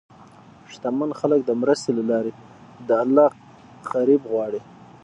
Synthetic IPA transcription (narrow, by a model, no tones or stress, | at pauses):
ʂt̪amanxalək̚d̪əmɾəst̪elalɑɾe | d̪əalːɑ | ɣaɾibɣwɑɽi